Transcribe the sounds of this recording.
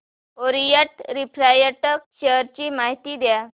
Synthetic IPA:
oɾijaʈɾipʰɾajaʈəkɕeəɾt͡ɕiːmaɦit̪iːd̪ja

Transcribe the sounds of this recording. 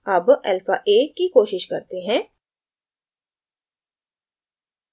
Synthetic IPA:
ɐbɛlfaːʔeːkikoːʃɪʃkɐ̰ɾt̪eɦɛ̃ː

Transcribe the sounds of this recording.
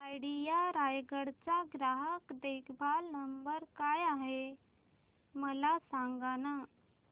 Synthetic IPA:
ajɽijaɾajɡəɽt͡saɡɾaɦəkd̪ekʰbʱalnəmbəɾkajaɦe | məlasãŋɡana

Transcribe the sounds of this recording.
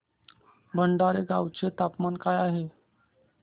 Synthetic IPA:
bʱəɳɖaɾeɡawt͡set̪apmankajaɦe

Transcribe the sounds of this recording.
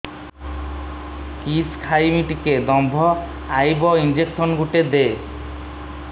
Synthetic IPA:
kiskʰajmiʈiked̪ɔmbʱɔ | ajbɔind͡ʑeksɔnɡuʈed̪e

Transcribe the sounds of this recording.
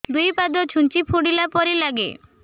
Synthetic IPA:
d̪ujpad̪ɔt͡ʃʰunt͡ʃipʰuɽilapɔɾilaɡḛ

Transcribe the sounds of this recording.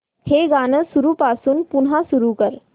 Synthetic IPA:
heɡaːnəsuɾuːpaːsuːnpunɦasuɾukəɾ

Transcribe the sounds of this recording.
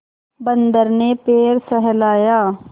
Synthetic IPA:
bənd̪əɾneːpeːɾsəɦɛlaːjaː

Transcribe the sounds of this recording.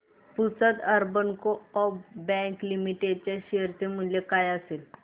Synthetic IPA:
put͡sət̪əɾbənkoɔbbɛ̃ŋklimiʈeɖ̚t͡ɕaɕeɾt̪em̤əɳlekajasel

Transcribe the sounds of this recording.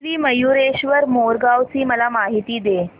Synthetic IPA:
ɾiːməjuɾeɕʋəɾmoɾɡawt͡siːməlamaɦit̪iːd̪e

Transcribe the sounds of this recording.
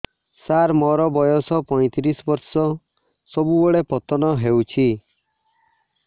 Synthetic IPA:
saɾmɔɾɔbɔjɔsɔpɔj̃t̪iɾisɔbɔɾsɔ | sɔbubeɭepɔt̪ɔnɔɦewt͡ʃʰi

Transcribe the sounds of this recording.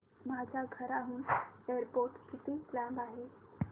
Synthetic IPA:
mad͡ʑʱaɡʱəɾaɦũːneɾpoɾʈkit̪eklæ̃mbaɦe

